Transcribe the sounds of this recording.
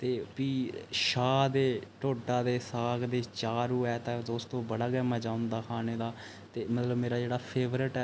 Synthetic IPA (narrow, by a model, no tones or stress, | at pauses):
t̪eːpiːʃaːd̪eːʈoːʈaːd̪eːsaːɡd̪eːt͡ʃaːɾuːɛːt̪ãːd̪oːst̪õːbəɽaːɡɛːmaːd͡ʒaːʊnd̪aːkʰaːneːd̪aː | t̪eːmət̪ləbmeːɾaːd͡ʒeːɽaːpʰeːʋɾɪʈɛː